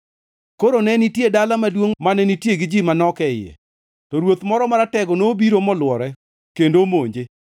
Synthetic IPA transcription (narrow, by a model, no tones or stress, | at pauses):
koɾonɛnitjedalamadwoŋmanɛnitjeɡɪd͡ʒimanɔkɛɪjɛ̰ | tɔɾwot̪mɔɾɔmaɾatɛɡɔnobiɾomɔlwɔɾɛ | kendomoɲd͡ʒe